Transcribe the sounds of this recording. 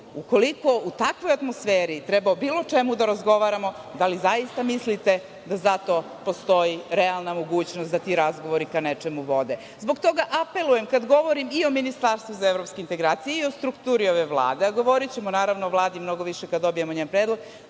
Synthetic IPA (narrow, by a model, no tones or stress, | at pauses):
uko̞liko̞ut̪akʋo̞jat̪mosfeːɾit̪ɾɛbaobiːlˠo̞t͡ʃemud̪aɾazɡo̞ʋaːɾamo̞ | d̪alizajist̪amislit̪e̞ | d̪azat̪o | po̞st̪o̞iɾɛalˠnamo̞ɡuːt͡ɕnost̪d̪at̪iːɾazɡo̞ʋo̞ɾikanet͡ʂemuʋo̞d̪e | zbo̞ɡt̪o̞ɡaʔape̞lˠuje̞mkad̪ɡo̞ʋo̞ɾimio̞minist̪aɾst̪ʋuzaevɾo̞pskeint̪eɡɾaːt̪sijeio̞st̪ɾukt̪uːɾio̞ʋe̞ʋlˠa̰ːd̪eaɡo̞ʋoɾit͡ɕemonaːɾaʋnooʋlˠaːd̪imno̞ɡo̞ʋiʃekad̪d̪ːo̞bijemoɲenpɾeːd̪lo̞ɡ̚